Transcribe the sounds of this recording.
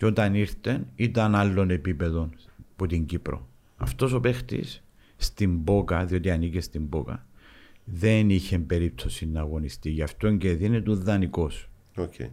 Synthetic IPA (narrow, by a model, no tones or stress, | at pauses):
ceo̞t̪ɐniɾθe̞nit̪ɐnɐlːo̞ne̞pipe̞ðo̞nput̪iɲɟipɾo̞̰ | ɐ̰ft̪o̞so̞pe̞xt̪ḭs | st̪imbo̞kɐðio̞t̪iɐnicest̪imbo̞kɐ̰ | ðe̞niçembe̞ɾip̚t̪o̞sinːɐːɣo̞nist̪iʝɐft̪o̞ɲɟeðinet̪uðːɐniko̞s | okʰḛ